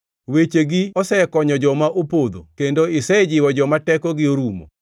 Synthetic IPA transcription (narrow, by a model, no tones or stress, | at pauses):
wet͡ʃeɡɪɔsɛkɔɲɔd͡ʒɔmaʔopod̪o̰kendoɪsɛd͡ʒɪwɔd͡ʒɔmatɛkɔɡɪoɾumo̰